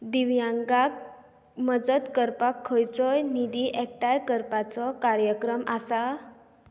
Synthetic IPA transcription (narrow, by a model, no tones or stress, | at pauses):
d̪iʋjãŋɡak̚ | məd͡zət̪kəɾpakʰːəjt͡sɔjnid̪iʔɛk̚ʈajkəɾpat͡sɔkaɾjəkɾəmasa